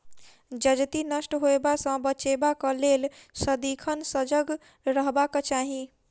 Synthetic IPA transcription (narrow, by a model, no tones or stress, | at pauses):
d͡ʒəd͡ʒt̪inəsʈɦoebasə̃bət͡ʃebakəlelsəd̪ikʰənsəd͡ʒəɡ | ɾəɦbaket͡ʃaɦĩ